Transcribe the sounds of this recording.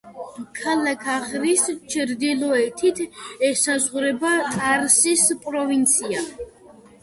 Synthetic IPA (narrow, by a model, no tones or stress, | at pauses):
kʰalakʰaχɾist͡ʃʰɾd̪ilɔɛt̪ʰit̪ʰɛsazʁɾɛbat̪ʼaɾsispʼɾɔvint̪sʰia